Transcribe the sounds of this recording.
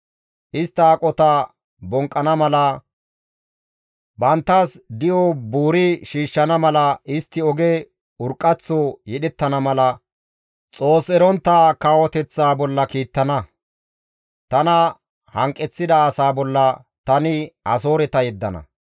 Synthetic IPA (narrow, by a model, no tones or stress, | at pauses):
ʔɪst̪ːɐaːkʼɔt̪ɐ | bɔŋkʼːɐnɐmɐlɐ | bɐnt̪ːɐsd̪ɪjɔbuːɾɪʃiːʃːɐnɐmɐlɐɪst̪ːɪɔɡɛ | ʊɾkʼːɐt͡sːɔjɛɗɛt̪ːɐnɐmɐlɐ | t͡sʼo̞ːsɛɾɔnt̪ːakawɔt̪ɛt͡sːaːbɔlːɐkiːt̪ːɐnɐ | t̪ɐnɐ | hɐŋkʼːɛt͡sːɪd̪ɐːsaːbɔlːɐ | t̪ɐnɪhɐ̰so̞ːɾɛt̪ɐjɛd̪ːɐnɐ̰